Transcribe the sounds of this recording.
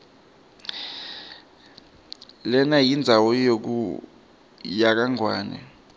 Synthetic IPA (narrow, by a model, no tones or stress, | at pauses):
lɛnajind͡zʱawɔjok̬ṵ | jak̬aŋwaːnɛ̰